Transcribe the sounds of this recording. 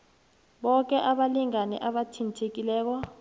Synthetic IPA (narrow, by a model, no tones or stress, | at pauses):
ɓɔk̬ɛʔaɓaliŋanɛ̰ʔaɓatʰintʰek̬ilɛːk̬ɔ